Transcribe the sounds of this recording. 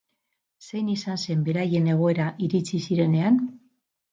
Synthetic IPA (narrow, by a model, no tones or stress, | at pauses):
se̞jnisanse̞mbe̞ɾaje̞ne̞ɣ̞o̞e̞ɾaʔiɾit͡sisiɾe̞ne̞an